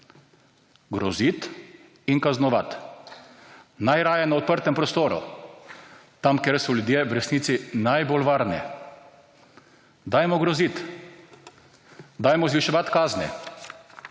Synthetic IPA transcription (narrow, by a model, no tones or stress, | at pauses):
ɡɾɔzit̪ | inkaznɔʋat̪ | najɾaːjɛnaɔt̪̚pəɾt̪ɛmpɾɔst̪oːɾṵ | t̪amkɛɾsɔljud̪jeʋɾɛsniːt̪sinajbolʋaːɾnɛ̰ | d̪ajmɔɡɾɔzit̪ | d̪ajmɔzʋiʃɔʋat̪kaːznɛ̰